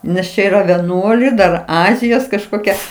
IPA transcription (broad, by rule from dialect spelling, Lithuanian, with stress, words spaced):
nʲɛs ˈt͡ʃʲɛ iːˈrɐ ʋʲɛˈnuɔlʲɛɪ ˈdɐr ˈɑːzʲɪjoːs kɐʃˈkoːkʲɛ